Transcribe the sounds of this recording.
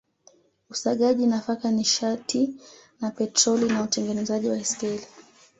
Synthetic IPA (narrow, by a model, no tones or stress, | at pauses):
usaɠaʄinafakaniʃatʰinapɛtɾɔlinautɛŋɡɛnɛzaʄiwaistɛli